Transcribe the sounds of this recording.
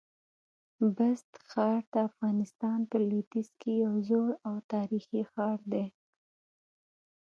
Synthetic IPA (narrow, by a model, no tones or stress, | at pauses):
bast̪xɑɾt̪aːfɣɑnɪst̪ɑnpəlit̪izkejawzoɽawt̪ɑɾixixɑɾd̪e